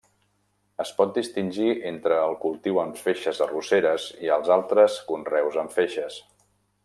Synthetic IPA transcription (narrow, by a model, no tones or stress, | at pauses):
əspɔt̪̚d̪ist̪inʲʒiʔent̪ɾəːlˠkulˠt̪iwəɱfeʃəzəruseɾəziəlˠzalˠt̪ɾəskunrɛwzəɱfeʃəs